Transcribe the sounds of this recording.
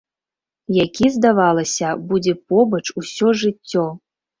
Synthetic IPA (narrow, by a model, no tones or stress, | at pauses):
jakʲizd̪avalˠɐsʲɐbud͡zʲɛpɔbɐt͡ʂusʲɔʐɨt͡sʲːɔ